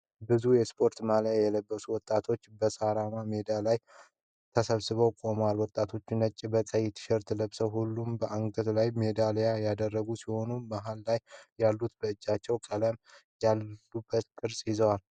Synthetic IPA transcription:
bɨzujɛspʰo̞ɾt̪maljajɛləbːəsuwɔt̪ʼːat̪ʰo̞t͡ʃːbəsaɾamamed̪ialaj | t̪ʰəsəβsɨβəwkʼo̞məwalwɔt̪ʼːat̪ʰo̞t͡ʃːɪnət͡ʃʼːibəsʼəjɪt̪ʰɨ̥ʃɛɾt̪ʰɨləβsəwɦulːumbəʔaŋɡət̪lajme̞d̪alejajad̪ərːəɡusiho̞numaɦalːajːalːut̪bəɨd͡ʒːat͡ʃːɛwkʼələmjalːubət̪kʼɨɾsʼjɪzəwal

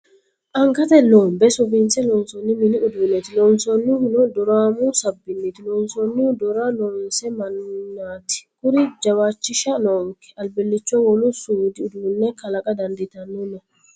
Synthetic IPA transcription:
ʔɐŋkɐt̪ɛloːmbɛsʊbinsɛlɔnsɔnːɪmɪnɪʊd̪uːnːɛt̪ɪlɔnsɔnːɪhʊnɔd̪ɔɾaːmusɐbːɪnːɛt̪ɪlɔnsɔnːɪd̪ɔɾalɔnsɛmɐnnaːt̪ɪ̥kʊɾɪd͡ʒɐwaːt͡ʃːɪʃɐnɔːŋkɛ̥ʔɐlbɛlːɪt͡ʃːɔwɔlʊsuːd̪ɪʊd̪uːnːɛkɐlɐkʼɐd̪ɐnd̪ɪt̪ɐnːɔnɔ

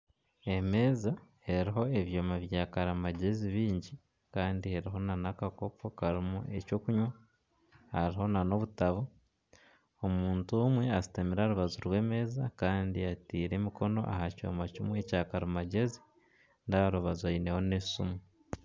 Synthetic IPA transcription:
e̞me̞ːza | e̞ɾiɦo̞e̞βjo̞ːmaβjaːkaɾamaɟe̞ziβiːɲɟi | kaːndihe̞ɾiɦo̞nanakako̞po̞kaɾimṵʔe̞co̞ːkuɲwa | haɾiɦo̞nano̞βutaβo | omuːntumwe̞azi̥tamiɾaɾuβazuɾwe̞ːme̞ːzakaːndiatiːɾe̞miko̞no̞̰ʔa̰ɦaco̞̰ːmacimwe̞caːkaɾamaɟe̞zi̥ | ndaaɾuβazaine̞ho̞nesumu

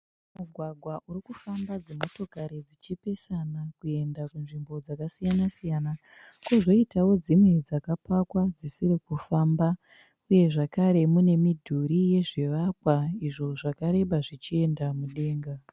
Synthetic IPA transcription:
muɡʱwaɡʱwaʔuɾikufambad͡zemo̞to̞kaɾed͡zit͡ʃipe̞sanakue̞ndakunʐimbo̞d͡zakasijanasijana | kwoʐo̞itawo̞d͡zimwe̞d͡zakapakwad͡zisirikufaːmba | uje̞ʐakaɾe̞mune̞midʱuɾije̞ʐiʋakwaiʐo̞ʐakaɾe̞ɓaʐit͡ʃie̞ndamuɗe̞ːŋɡa

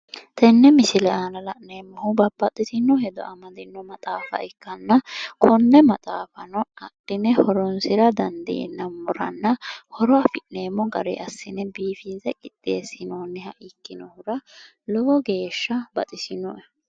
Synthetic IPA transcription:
t̪ʰɛnːɛmɪsɪlɛaːnɐlɐʔneːmːɔhʊbɐbːɐt̪ʼːɪt̪ɪnːɔhɛd̪ɔ̰ɐmɐd̪ɪnːɔmɐt̪ʼaːfɐ̰ʔɪkːɐnːɐkʰɔnːɛmɐt̪ʼaːfɐnɔɐdɪnɛhɔɾɔnsɪɾɐd̪ɐnd̪ɪḛnːɐmːʊɾɐnːɐhɔɾɔɐfɪʔneːmːɔɡɐ̰ɾḛʔɐsːɪnɛbiːfɪnzɛkʼɪt̪ʼːeːsɪnoːnːɛhɐʔɪkːɪnɔhʊɾɐ | lɔɔɡe̞ːʃːɐbɐt̪ʼɪsɪnɔʔɛ

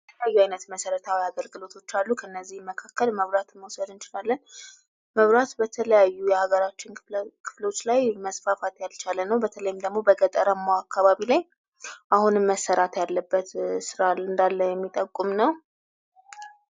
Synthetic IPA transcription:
bət̪ʰələjajːuajnət̪məsəɾət̪ʰawiaɡəlɡɨlo̞t̪ʰo̞t͡ʃːalːukʰəɨnːəzːihməkʰakːəlməβɾat̪məwsəd̪ɨnt͡ʃɪlalːən | məβɾat̪bət̪ʰələjajːujɛhaɡəɾat͡ʃːɪnkʰɨ̥fləwot͡ʃːlajməsfafat̪jalt͡ʃʰalənːəwbət̪ʰələjɪmd̪əɡmo̞bəɡət̪ʼəɾəmːaakʰːaβaβilaj | ʔahunɨmːəsːəɾat̪jalːəbːət̪sɨɾaɨnd̪alːəjɛmːit̪ʼəkʼːumnəw

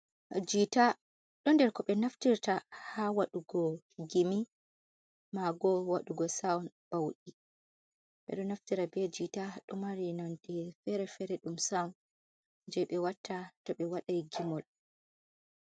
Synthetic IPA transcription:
d͡ʒita | ɗɔndɛɾkɔɓɛnaftiɾtahawaɗuɡɔ | ɡimi | maɡɔwaɗuɡɔsawn | b̥awɗi | ɓɛ̰ɗɔnaftiɾabɛd͡ʒitaɗɔmaɾinantifɛɾɛfɛɾɛɗumsawn | d͡ʒɛɓɛwatʰːatɔɓɛwaɗajɡimɔl

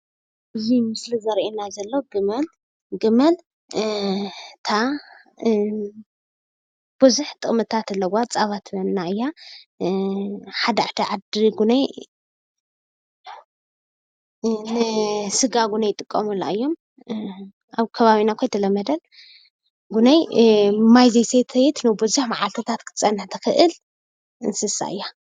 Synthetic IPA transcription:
ʔɨjimɨslizɐɾʔenazɐlːoɡɨmɐl | ɡɨmɐl | t̪ʰa | b̥ɨzuħt̪ʼɨχʼmɨt̪ʰat̪ɨlːɐwat͡sʼaβat̪ʰβɐːaɨjːa | ħad̪aʕt̪ʰɐʕad̪iɡunaj | nɨsɨɡaɡunɐjt̪ʼɨkʼːɐmula̰ɨjːo̞m | ʔaβkʰɐβaβinakʰʷojt̪ʰɐlɐmːɐd̪ɐl | ɡunajmajzejset̪ʰɐjɛt̪nɨbɨzuħmaʕalt̪ʰo̞t̪ʰat̪kʰɨ̥t̪ʰt͡sʼɐnːħt̪ʰɐxɨʔɨl | ɨnsɨsa̰ɨjːa

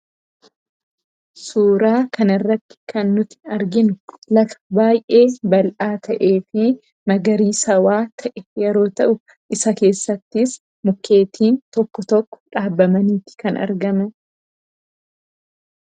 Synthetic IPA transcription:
suːɾaːkɐnɐrːɐt̪ːɪ̥kɐnːʊt̪ɪ̥ɐɾɡɪnʊlɐfɐ̥baːjʔe̞ːbɐlʔaːt̪ʰɐʔe̞ːfɪ | mɐɡɐɾiːsɐwaːt̪ʰɐʔɛjɛɾo̞ːt̪ɐʔʊ | ʔɪsɐke̞ːsːɐt̪ːɪs | mʊkːe̞ːt̪ʰiːnt̪ɔkːɔt̪ɔkːɔ̥ᶑaːbːɐmɐniːt̪ɪ̥kɐnʔɐ̰ɾɡɐmɐn

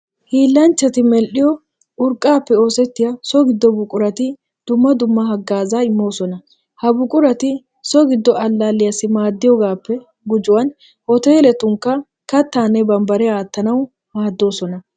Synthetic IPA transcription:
hiːlːɐnt͡ʃːɐt̪ɪmɛlʔɪjɔ | ʔʊɾkʼːaːpːɛo̞ːsɛt̪ːɪjasɔɡɪd̪ːɔbʊkʼːʊɾɐt̪ɪ | d̪̥ʊmːɐd̪ʊmːɐɦɐɡːaːzaːɪmːo̞ːsɔnɐ | hɐbʊkʼʊɾɐt̪ɪ | sɔɡɪd̪ːɔʔɐlːaːlːɪjasɪmaːd̪ːɪjɔɡaːpːɛ | ɡʊd͡ʒʊwɐn | hɔt̪eːlɛt̪ʊŋkːɐ | kɐt̪ːaːnːɛbɐmbɐɾɛaːt̪ːɐnɐw | maːd̪ːo̞ːsɔnɐ

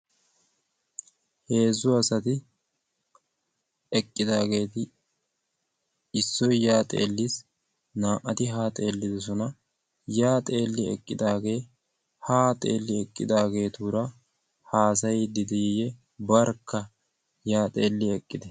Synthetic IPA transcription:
he̞ːzːʊɐsɐt̪ɪ | ɛkʼːɪd̪aːɡe̞ːt̪ɪ | ɪsːɔjjaːt̪ʼe̞̰ːlːɪs | naːʔɐt̪ɪɦaːt̪ʼe̞ːlːɪd̪ɔs̬ɔnɐ | jaːt̪ʼe̞ːlːɪɛ̰kʼːɪd̪aːɡe̞ː | haːt̪ʼe̞̰ːlːɪɛkʼːɪd̪aːɡe̞ːt̪uːɾɐ | haːs̬ɐjd̪ɪd̪ɛjjɛ | bɐɾkʰːɐ | jaːt̪ʼe̞ːlːɪɛkʼːɪd̪ɛ

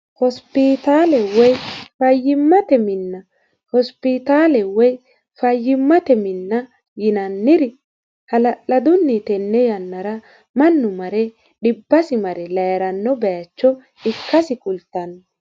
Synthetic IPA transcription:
hɔspɪt̪aːlɛwɔjfɐjːɪmːɐt̪ɛmɪnːɐ | hɔspɪt̪aːlɛwɔj | fɐjːɪmːɐt̪ɛmɪnːɐ | jɪnɐnːɪɾɪ | hɐlɐʔɐd̪ʊnːit̪ɛnːɛjɐnːɐɾɐ | mɐnːʊmɐɾɛ | ɗɪbːɐsɪmɐɾɛlɐjɐɾɐnːɔbɛjɐt͡ʃːɔ | ɪkːɐsɪkʼʊlt̪ːɐn

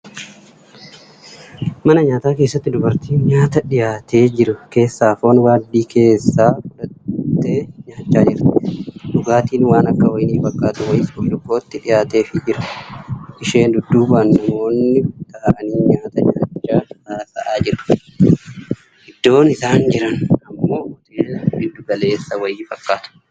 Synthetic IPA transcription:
mɐnɐɲaːt̪aːke̞ːsːɐt̪ːɪd̪ʊbɐɾt̪iːnɲaːt̪ɐᶑɪjaːt̪e̞ːd͡ʒɪɾʊke̞ːsːaːfoːnwaːd̪ːiːkʰe̞ːsːaːkʊᶑɐt̪ːe̞ːɲaːt͡ʃːaːd͡ʒɪɾt̪ᶑ̪ʊɡaːt̪iːnwaːnɐkːɐɔjniːfbɐkʼːaːt̪ʊwɐjɪsɔlʊkːoːt̪ːɪᶑɪjaːt̪e̞ːfɪd͡ʒɪɾɐ | ʔɪʃe̞ːnd̪ʊd̪ːuːbːnːɐmo̞ːnːɪt̪ɐʔɐniːɲaːt̪ɐɲaːt͡ʃːaːɐsaːsɐʔaːd͡ʒɪɾʊ̥ | ʔɪd̪ːo̞ːnɪsaːnd͡ʒɪɾɐnɐmːo̞ːɔt̪ʊeːbɪd̪ːʊɡɐle̞ːsːɐwɐjɪːfɐkːaːt̪ʊ̥

